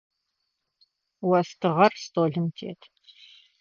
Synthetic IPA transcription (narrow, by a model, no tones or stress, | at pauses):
wɐstʰɨʁɐrstoːɮɨmtʰḛːtʰ